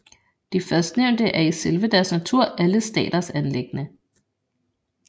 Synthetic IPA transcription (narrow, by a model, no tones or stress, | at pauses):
d̥ifɶɐsd̥neʊ̰nd̥əʔæɐiselʋəd̥æɐsnæt͡sʰuɐ̰ʔæləsd̥ɛ̰ːd̥ɐsænleɡ̥nə